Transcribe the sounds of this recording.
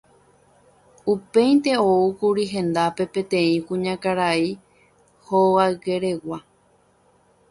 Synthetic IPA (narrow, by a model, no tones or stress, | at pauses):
upẽ̞j̃nt̪e̞oukuɾiɦẽ̞nd̪ape̞pẽ̞t̪ẽ̞ĩkũɲãkaɾai | hoaɡe̞ɾe̞wa